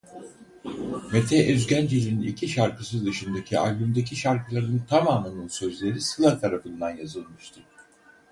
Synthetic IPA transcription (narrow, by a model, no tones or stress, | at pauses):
met̪ʰɛʔøzɟænd͡ʒelʲininicʰiʃaɾkɯsɯzd̪ɯʃɯnd̪acʰialʲbymd̪ecʰiʃaɾkʰɯlˠaɾɯnɯnt̪ʰamaːmɯnɯnsø̞zlʲe̞ɾisɯlˠat̪ʰaɾafɯnd̪anjazɯlˠmɯʃt̪ʰɯ